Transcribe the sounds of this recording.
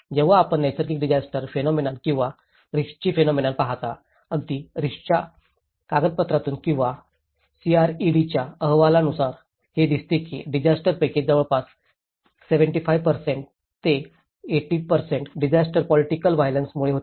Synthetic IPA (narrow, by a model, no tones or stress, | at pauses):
d͡ʑeʋaːpəɳːajsəɾkiːkɖid͡ʑasʈəɾfenɔminãlkĩw̃ʋa | ɾiʂt͡ɕiːfenɔminãnpaɦat̪a | əɡd̪iːɾiʂt͡ɕja | kaɡəd̪̚pət̪ɾat̪uːnkĩw̃ʋa | siaɾiɽit͡ɕjaəɦʋalanusaɾ | hed̪ist̪ekḭɖid͡ʑasʈəɾpɛked͡ʑd͡zaʋəɭpas | seʋəɳʈifajʋpəɾseɳʈ | t̪e | eʈiːpəɾseɳʈɖid͡ʑasʈəɾpɔliʈikəlʋajlənsmuɭeɦot̪e